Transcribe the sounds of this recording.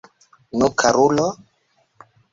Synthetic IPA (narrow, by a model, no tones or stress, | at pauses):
nukʰaɾulɔ